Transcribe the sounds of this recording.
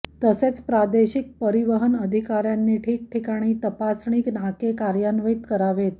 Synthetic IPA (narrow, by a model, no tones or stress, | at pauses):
t̪əset͡spɾad̪eɕik̚pəɾiʋəɦənəd̪ʱikaɾjanːiːʈʰiːk̚ʈʰikaɽ̃iːt̪əpasɳiːknakekaɾjanʋet̪kəɾaʋet̪̚